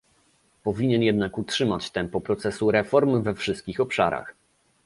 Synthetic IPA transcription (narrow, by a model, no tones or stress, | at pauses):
pɔvʲiɲɛnjɛd̪nakutʂɘmat͡ɕt̪ɛmpɔpɾɔt̪sɛsuɾɛfɔɾmvɛfʂɘst̪̚kʲixɔpʂaɾa̰x